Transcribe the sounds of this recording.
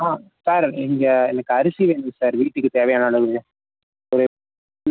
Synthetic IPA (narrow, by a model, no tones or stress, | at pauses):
aːsaːɾɛŋɡɐɛnɐkːɯɐɾɯsiʋeːɳɖɯsaːɾʋiːʈːɯkːɯt̪eːʋɐjaːnaːɭɐŋɯɐ | ɔɾɯ